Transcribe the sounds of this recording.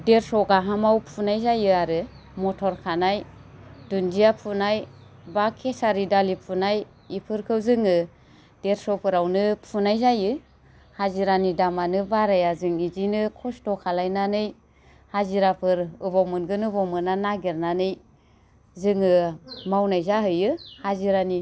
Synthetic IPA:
deɾsɔɡaɦamawpʰunajzajɯaɾɯ | mɔtʰɔɾkʰanajdund͡ʒiapʰunaj | bakʰesaɾidalipʰunaj | ipʰɯɾkʰɯwzɯŋɯ | d̥eɾsɔpʰɯɾawnɯpʰunajzajɯ | haziɾanidamanɯbaɾajazɯŋizinɯkʰɔstɔkʰalajnanɯj | haziɾapʰɯɾɯbɔmɯnɡɯnɯbɔmɯnanaɡiɾnanɯj | zɯŋɯmawnajzaɦɯjɯhaziɾani

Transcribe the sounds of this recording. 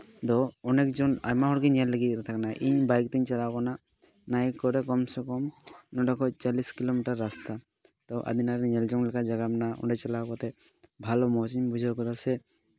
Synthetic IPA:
t̪ɔɔnekd͡ʒɔna̰jmaɦɔɾkiɲɛlːeɡiɾt̪ʰaknaʔiɲbajk̚t̪iɲt͡ʃalawkɔna | najkːɔɾekɔmsɔkɔmnɔɖɔkʰɔt͡ʃaliskilomiʈaɾːast̪a | t̪ɔʔa̰d̪inaɾeɲɛld͡ʒɔŋlɛkad͡ʒaɡamnaɔ̰ɖɛt͡ʃalawkɔt̪ɛ | bʱalɔmɔt͡ʃiɲbud͡ʒʱakɔt̪asɛ

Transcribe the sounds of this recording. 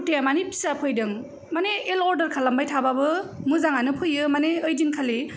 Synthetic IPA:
teamanipʰi̥sapʰɯjdɯŋ | maneelɔɾdɐɾkʰalːambajtʰababɯmɯzaŋanɯpʰɯjɯmaneɯjdiŋkʰali

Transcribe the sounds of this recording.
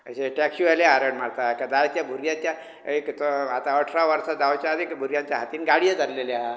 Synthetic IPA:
əɕeʈɛkɕualjaaɾəɳmaɽt̪akad̪at̪jabʱuɾjãt͡ɕja | ekt̪ɔat̪aəʈʰɾaʋəɾsad͡z̪aʋt͡ɕjad̪ikbʱuɾjãt͡ɕjaɦat̪iːnɡaɽijəd͡zalleljaɦ

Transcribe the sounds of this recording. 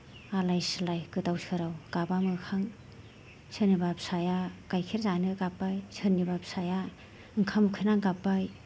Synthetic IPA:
alajsɯlajkɯtawsʰɯɾawɡabamɯkʰaŋ | sʰɯnibapsajakajkʰeɾzanɯɡapːajsʰɯnibapsaja | ɯŋkʰamɯkʰɯnaŋɡapːaj

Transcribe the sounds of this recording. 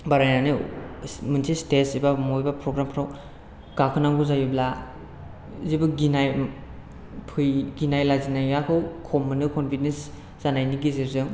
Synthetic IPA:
baɾajnanɯsmɯnsʰistesibamojbapʰɾɔɡɾampʰɾaw | ɡ̥akʰɯnaŋɡuzajibla | zibɯɡinaj | pʰɯjɡinajlazinajjakʰɯwkʰɔmɯnɯkʰɔnpʰidens | z̥anajniɡizeɾzɯŋ

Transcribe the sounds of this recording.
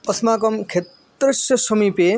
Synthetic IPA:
ɔsmaːk̬ɔmkʰet̪ | ɾɐsjɐsɔmipe

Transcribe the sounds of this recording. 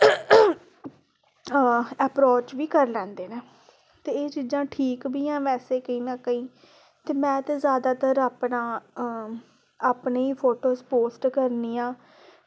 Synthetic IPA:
ɛpɾoːt͡ʃʋiːkəɾlɛ̃ːnd̪eːnẽː | t̪eːeːt͡ʃiːzãːʈʰiːkbiːãːʋɛːseːkəĩːnãːkəĩː | t̪eːmɛ̃ːt̪eːzjaːd̪aːt̪əɾaːpnaː | aːpneːiːpʰoːʈoːspoːsʈkəɾniːãː

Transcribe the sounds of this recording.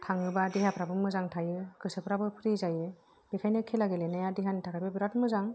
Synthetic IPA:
tʰaŋɯbadiɦapʰɾabɯmɯzaŋtʰajɯkɯsɯpʰɾabɯpʰɾizajɯ | b̥ikʰajnɯkʰelaɡelenajadiɦantʰakʰajbabiɾatmɯzaŋ

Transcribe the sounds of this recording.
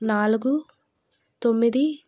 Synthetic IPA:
naːluɡu | t̪o̞mːid̪i

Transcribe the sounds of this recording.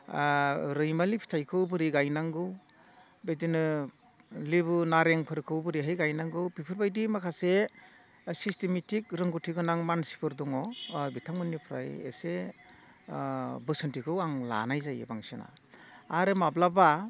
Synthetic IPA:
ɾɯjmalipʰi̥tʰajkʰɯwbɯɾiɡajnaŋɡɯw | bejdinɯ | liβɯnaɾeŋpʰɯɾkʰɯwbɯɾiɦɯjɡajnaŋɡɯwbipʰɯɾbajdimakʰase | sistemetʰik̚ɾɯŋɡɯtʰiɡɯnaŋmansi̥pʰɯɾdɔŋɔbitʰaŋmɯnːipʰɾa̰jḛse | bɯsɯntikʰɯwaŋla̰najzajɯ̰baŋsena̰ː | ɾɯmablaba

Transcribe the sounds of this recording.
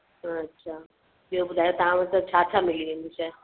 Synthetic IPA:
ɦɐtːʃʰaː | iobʊd̪ʱaːjot̪ɐʋãʋɐt̪ət͡ɕʰaːtʰamɪliʋẽːnd̪iʃɛː

